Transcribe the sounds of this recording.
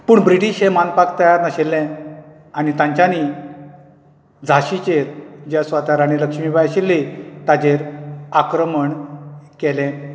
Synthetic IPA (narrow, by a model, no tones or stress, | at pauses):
puːɳbɾiʈiɕɦẽmanpakt̪ajaɾnəɕelːɛ̃ | añit̪ãɲt͡ɕani | d͡zʱaɕit͡ɕeɾd͡ʑjasʋat̪aɾañiləkʂmiːbajɕelːit̪ad͡ʑeɾakɾəməɳkɛlɛ̃